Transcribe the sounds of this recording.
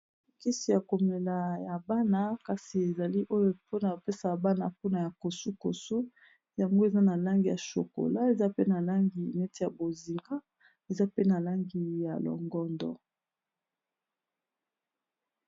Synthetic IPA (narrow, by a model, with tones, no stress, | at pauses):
ki˦si˨ja˨ko˨me˨la˨ja˨ba˦na˦ka˨si˨e˨za˨li˦ʔo˦jo˦po˦na˨pe˦sa˨ba˦na˨po˦na˨ja˨ko˨su˦ko˨su˦ | ja˨ŋɡo˦e˨za˦na˨la˦ŋɡi˨ja̰˨ʃo̰˨ko̰˨la˦e˨za˦pe˦na˨la˦ŋɡi˨nɛ˦ti˦ja˨bo˨zi˨ŋɡa˦ | e˨za˦pe˦na˨la˦ŋɡi˨ja̰˨lɔ̰˨ŋɡɔ˦ndɔ̰˦